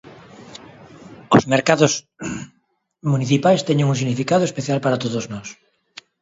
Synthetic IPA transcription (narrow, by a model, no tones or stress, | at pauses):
ozmeɾkaðos | muniθipajst̪ɛɲeŋũsiɣnifikaðoespeθjalpaɾat̪oðoznɔs